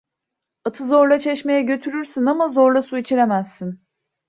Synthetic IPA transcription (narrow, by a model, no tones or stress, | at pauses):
at̪ʰɯzo̞ɾlˠat͡ʃʰɛʃme̞jɛɟø̞t̪ʰyɾyɾsinamazo̞ɾlˠasuit͡ʃʰiɾemæz̥ːin